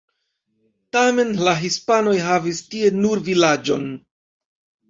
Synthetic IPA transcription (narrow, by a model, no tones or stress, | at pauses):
tame̞nlaɦispano̞jɦavistie̞nuɾvilad͡ʒo̞̰n